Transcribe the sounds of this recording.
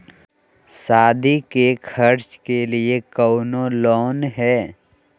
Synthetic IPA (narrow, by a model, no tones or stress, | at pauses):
saːd̪ʱikekʰəɾt͡ʃkeliekəʊnõlɔːnɦɛː